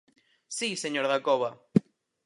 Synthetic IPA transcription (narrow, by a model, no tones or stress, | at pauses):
siseɲoɾðakoβa